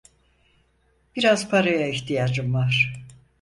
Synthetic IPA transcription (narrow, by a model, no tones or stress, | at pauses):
b̥iɾaz̥pʰaɾajaiçt̪ʰijad͡ʒɯmvaɾ̥